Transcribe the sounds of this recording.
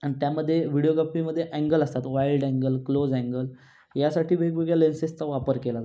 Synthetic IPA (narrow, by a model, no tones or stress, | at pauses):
añit̪jaməd̪ʱːjeʋiɽijoɡapiməd̪ʱːjeʔɛ̃ŋɡələst̪at̪ʋajilɖɛ̃ŋɡəlklod͡zɛ̃ŋɡəl | jasaʈʰiːbʱekbʱeɡjalensest͡saʋapəɾkela